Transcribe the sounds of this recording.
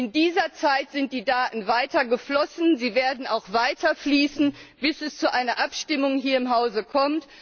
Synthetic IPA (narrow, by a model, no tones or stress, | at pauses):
ʔɪndiːzɐt͡saɪtz̥ɪnt̚d̥iːdaːtn̩vaɪtʰɐɡəflɔsn̩ziːveːɐdn̩aʊxv̥aɪtʰɐfliːsn̩b̥ɪsɛst͡suʔaɪnɐʔapʃtɪmʊŋɦiːɐɪmɦaʊzəkʰɔmt